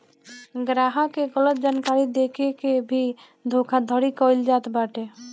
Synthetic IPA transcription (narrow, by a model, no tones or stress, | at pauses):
ɡɾaːɦakeɡələt̪̚d͡ʒaːnkaːɾid̪ekʰekebʱi | d̪ʱokʰad̪ʱəɾikɔld͡ʒaːt̪baːʈe